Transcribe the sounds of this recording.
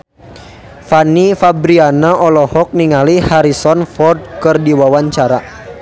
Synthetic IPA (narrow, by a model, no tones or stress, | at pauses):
fanifabɾianaɔlɔhɔk̚niŋalihaɾisɔnfɔrd̚kɨrdiwawaɲt͡ʃaɾa